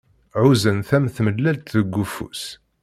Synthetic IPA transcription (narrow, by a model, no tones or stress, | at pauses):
ʕuzənθæmθməlːælt̪ðəɡːufṵs